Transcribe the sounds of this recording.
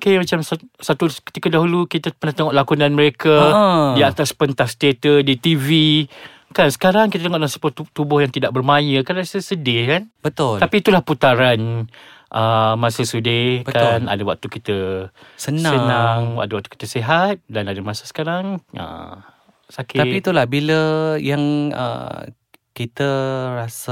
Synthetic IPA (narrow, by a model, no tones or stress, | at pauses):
okemat͡ʃamssat̪ukə̥t̪ikadaɦulukit̪apərnaht̪əŋɔʔlakunãnməɾekajaat̪aspənt̪ahst̪et̪ədit̪ivi | kansə̥kaɾaŋkit̪at̪əŋɔʔdasəpuaut̪ubʊhjaŋt̪idaʔ̚bərmajəkarnasəsədɪkanbət̪ʊlapiːt̪ulahput̪aɾan | ʔəmãsəsudɪbəkana̰dəwak̚t̪ukit̪əsənsaənaŋwa̰ʔ̚dəwak̚t̪u̥ki̥t̪əseɦat̪̚danadəmãsəsə̥kaɾaŋə̰ | sakɪatit̪ulahbiləjaŋə̰ | kit̪əɾasə